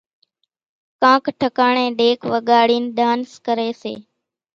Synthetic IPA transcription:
kãːkʈʰəkaːɳẽːɗeːkʰʋəɠaːɽiːnɗ̪ʱaːnskəɾeːsḛː

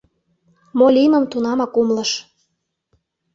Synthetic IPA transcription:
molʲiməmt̪unɑmɑkumlə̆ʃ

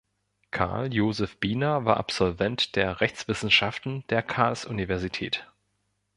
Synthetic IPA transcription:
kʰa̰ɐljoːzɛfb̥iːnɐvaːɐʔa̰pz̥ɔlvɛntd̥eːɐʁɛçt͡sv̥ɪsn̩ʃaftn̩d̥eːɐkʰaːlsʔunivɛɐzitʰɛːt

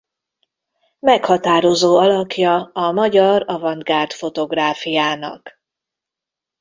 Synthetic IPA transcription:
mɛkhɒt̪aːɾo̞zoːɒlɒkjɒɒmɒɟɒrɒvɒnd̪̚ɡaːrt̪fo̞t̪o̞ɡraːfijaːnɒ̰k

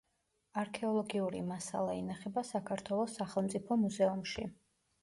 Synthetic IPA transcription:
aɾkʰɛɔlˠɔɡiuɾḭmasa̰lˠaḭnaχɛbasakʰaɾt̪ʰwɛlˠɔsːaχɛlˠmt̪sʼipʰɔmuzɛumʃi

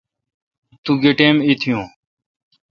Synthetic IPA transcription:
t̪ũːɡeʈẽːmiːt̪ʰɪjõː

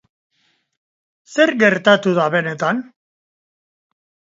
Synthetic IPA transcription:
se̞ɾɡe̞ɾt̪at̪uðaβe̞ne̞t̪an

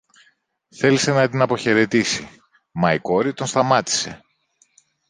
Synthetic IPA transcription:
θe̞lise̞nɐt̪inɐpo̞çe̞ɾe̞t̪isi | mɐiko̞ɾit̪o̞nst̪ɐmɐt̪i̥se̞̰

